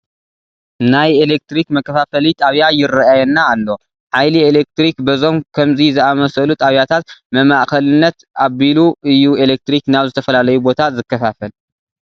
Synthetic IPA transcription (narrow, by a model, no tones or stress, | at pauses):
najelek̚t̪ɾikmɐkːɐfafɐlit̪ʼaβjajɪrɐajɛnːaːlːo̞ | ʕajlielek̚t̪ɾikbɐzo̞mkʰɐmzizɨʔamɐsɐlut̪ʼaβjat̪ʰat̪mɐmaʔkɐlɨnːɐt̪ | ʔaβiluʔɨjːuelek̚t̪ɾiknaβzɨt̪ʰɐfɐlalɐjubo̞t̪ʰazɨkːɐfafɐl